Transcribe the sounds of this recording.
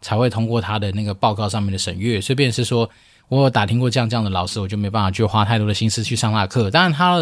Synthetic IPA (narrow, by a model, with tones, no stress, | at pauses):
t͡sʰa˨˥ɪxwe˥˧ɪt̪ʰʊ˥ŋkwɔ˥˩t̪ʰa˥d̪ə˨na˥˩ɡə˩pɑ˥˧ʊkɑ˥˧ʊʂɑ˥˧ŋmjɛ˥˩ndə˨˩ʂə̰˨˩ŋɥɛ˥˩swe˥˧ɪp̬jɛ˥˧nʂɻ̩˥˩ʂwɔ˥ | wɔ˨˥jo˨˩t̪a˨˩t̪ʰi˥ŋkwɔ˥˧ʈ͡ʂɤ˥˧jɑ˥˧ŋʈ͡ʂɤ˥˧jɑ˥˩ŋd̪ə˩lɑ˨˩ʊʂɻ̩˥wɔ˨˩t͡ɕo˥˩ʊme˥ɪpa˥˩fa˨˩t͡ɕo˥˩xwa˥t̪ʰa˥˩ɪt̪wɔ˥d̪ə˨ɕi˥nsɹ̩˥t͡ɕʰy˥˧ʂɑ˥˧ŋnla˥˧kʰɤ˥˩t̪a˥a˥˧nt̪ʰa˥˨